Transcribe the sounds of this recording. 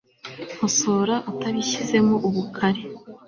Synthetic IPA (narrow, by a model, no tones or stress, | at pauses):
moso̞ːɾaʔutaβiçize̞moʔuβukʰaɾe̞